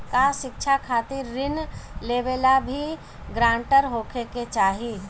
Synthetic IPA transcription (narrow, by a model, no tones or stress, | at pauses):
kaʃɪkt͡ʃʰakʰaːt̪ɪɾːɪnleːʋeːlabʱi | ɡɾãːɳʈəɾɦoːkʰeket͡ʃaːɦi